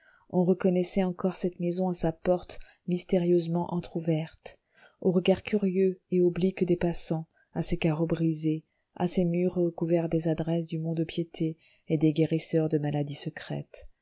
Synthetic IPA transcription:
ɔ̃ʁəkɔnɛsɛɑ̃kɔʁsɛt̪mezɔ̃asapɔʁt̪mist̪eʁjøzmɑ̃ʔɑ̃t̪χuvɛʁt̪ | oʁəɡaʁkʲyʁjøeoblikd̪epasɑ̃ | asekaʁobʁize | a̰semyʁəkuvɛʁd̪ezad̪ʁɛsd̪ymɔ̃d̪opjet̪ʰe | ed̪eɡeʁisœʁd̪əmalad̪isəkχɛ̰t̪

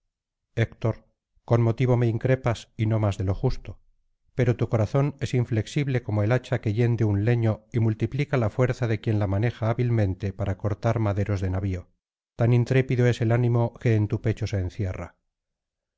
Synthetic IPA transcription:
ekt̪o̞ɾ | ko̞nmo̞t̪iβo̞me̞iŋkɾe̞pasino̞mazðe̞lo̞xust̪o | pe̞ɾot̪uko̞ɾaθo̞ne̞siɱfle̞ksiβle̞ko̞mo̞elat͡ʃake̞ʝe̞nd̪eunle̞ɲo̞imult̪iplikalafwe̞ɾθaðe̞kje̞nlamane̞xaːβilmẽ̞nt̪e̞paɾako̞ɾt̪aɾmaðe̞ɾo̞zðe̞naβio̞ | t̪anint̪ɾe̞piðoe̞se̞lanĩmoke̞ːnt̪upe̞t͡ʃo̞seːnθje̞ra̰

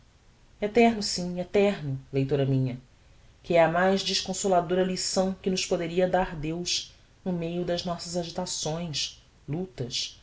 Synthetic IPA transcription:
et̪ɛɾnʊsĩɛt̪ɛɾnʊlejt̪oɾɐmĩɲɐ | kɪɛɐmajʒd͡ʒiʃkõsolad̪oɾɐlisɐ̃w̃kɪnʊʃpod̪eɾiɐd̪aɾd̪ewʃ | nʊmejʊd̪ɐznɔsɐzaʒit̪asõj̃s | lut̪ɐs

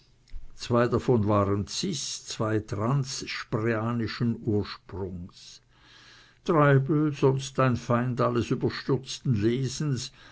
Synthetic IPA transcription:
t͡sv̥aɪdafɔnvaːʁənt͡sɪst͡sv̥aɪtʁansʃpʁeaːnɪʃənuːɐʃpʁʊŋs | tʁaɪbl̩zɔnstaɪnfaɪndaləsybɐʃtʏʁt͡stn̩leːzn̩s

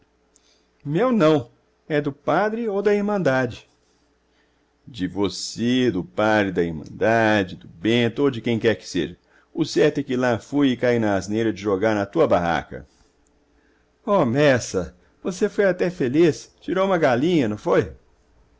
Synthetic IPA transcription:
mewnɐ̃w̃ | ɛd̪ʊpad̪ɾɪowd̪ɐiɾmɐ̃nd̪ad͡ʒɪ | d͡ʒɪvosed̪ʊpad̪ɾɪd̪ɐiɾmɐ̰̃nd̪ad͡ʒɪd̪ʊbẽt̪ʊowd͡ʒɪkẽj̃kɛɾkɪ̥sḛʒɐ | ʊsɛɾt̪ʊɛkɪlafujɪkainɐːznejɾɐd͡ʒɪʒoɡaɾnɐt̪uɐbaɦa̰kɐ̰ | ɔmɛsɐ | vosefojat̪ɛfelist͡ʃiɾowũmɐɡalĩɲɐnɐ̃w̃foj

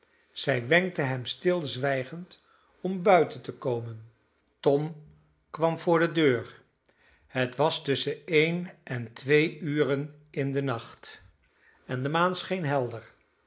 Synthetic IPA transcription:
z̥ɛjʋɛŋk̚təɦɛmstɪlˠzʋɛjχənt | ɔmbœɥtəntəkowmən | tɔm | kʋɑmvʊːɹdədøːɹ | hətʋɑstɵsəejnʔɛntʋejyːrən | ɪndənɑχt | ɛndəmaːnsχejnɦɛlˠdəɹ

